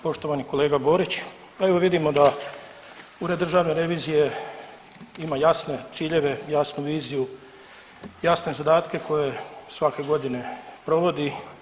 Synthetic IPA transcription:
po̞ʃt̪o̞ʋaniko̞le̞ːɡabo̞ːɾit͡ɕ | eʋo̞ʋid̪imo̞d̪a | uɾed̪ːr̩ʒaːʋneɾe̞ʋiːzije̞ | imajasne̞t̪siːʎe̞ʋe̞jasnuʋiːziju | jasne̞zad̪aːt̪ke̞ko̞je̞sʋake̞ɡo̞d̪ine̞pɾo̞ʋo̞d̪i

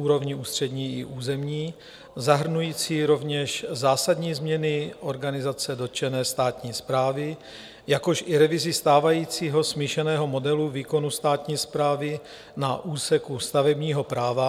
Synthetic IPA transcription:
uːɾo̞vɲɪuːst̪r̝̥ɛdɲiːʔɪʔuːzɛmɲiː | zaɦr̩nujiːt͡siːɾo̞vɲɛʃzaːsadɲiːzmɲɛnɪʔo̞ɾɡanɪzat͡sɛdot͡ʃɛnɛːst̪aːt̪ɲiːspɾaːvɪ | jako̞ʃʔɪɾɛvɪzɪst̪aːvajiːt͡siːɦo̞smiːʃɛnɛːɦo̞mo̞dɛluviːko̞nust̪aːt̪ɲiːspɾaːvɪ | naʔuːsɛkust̪avɛbɲiːɦo̞pɾaːva

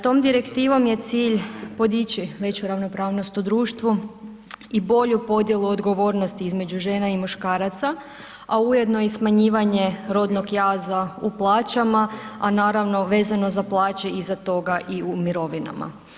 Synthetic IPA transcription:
t̪o̞ːmd̪iɾekt̪iːʋo̞mje̞t̪siːʎpo̞d̪it͡ɕiʋe̞t͡ɕuɾaʋno̞pɾaːʋno̞st̪ud̪ɾuːʃt̪ʋu | ibo̞ʎupo̞d̪je̞lˠuod̪ɡo̞ʋo̞ɾno̞st̪iizme̞d͡ʑuʒe̞ːnaimuʃkaːɾat̪sa | auje̞d̪no̞jɛsmaɲiːʋaɲe̞ɾo̞d̪no̞ɡjaːzauplˠaːt͡ʃamaanaːɾaʋno̞ʋe̞ːzano̞zaplˠaːt͡ʃeizat̪o̞ɡaʔiumiɾo̞ʋina̰ma̰

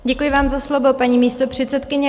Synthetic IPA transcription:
ɟɛkujɪvaːmzaslovo̞paɲiːmiːst̪opr̝̥ɛt̪t͡sɛt̪kɪɲɛ

